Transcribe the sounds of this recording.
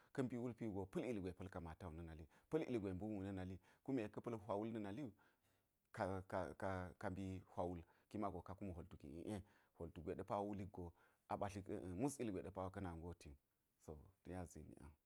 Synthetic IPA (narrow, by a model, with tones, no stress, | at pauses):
kɐ˦mbi˦wu˦lpi˦ɡo˨pɐ˦li˨lɡʷe˨pɐ˦lka˨ma˨ta˦wu˨nə˦na˨li˦pɐ˦lḭ˨lɡʷe˨bu˦mu˦˨nə˦na˨li˦ku˦me˨kɐ˦pɐ˦lɦʷwa˨wu˦lnɐ˦na˨li˦u˨ | ka˨ka˨ka˨ka˨mbi˦hʷa˨wu˦lki˦ma˨ɡo˨ka˨ku˦mu˨ɦo˨ltu˨kḭ˨ḭ˨ʔe˦ho˨ltu˨ɡʷe˨ɗe˦pa˦wwu˦li˦ɡo˨ | a˨ba˨ɬi˦kmu˦si˦lɡʷe˨ɗe˨pa˦wkɐ˦na˨ŋɡo˦ti˨n | so˨tu˨ja˦zḭ˨mḭ˨a̰˨